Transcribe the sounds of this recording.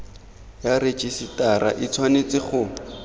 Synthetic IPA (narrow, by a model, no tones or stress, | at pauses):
jaret͡ʃʼisitʼaɾaʔit͡sʰwanet͡sɪχʊ